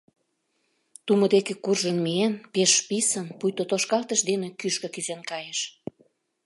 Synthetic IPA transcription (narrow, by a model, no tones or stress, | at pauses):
t̪umŏd̪ekekurʒənmienpeʃpisənpujt̪ot̪oʃkɑlˠt̪əʃd̪enekyʃkø̆kyzenkɑjeʃ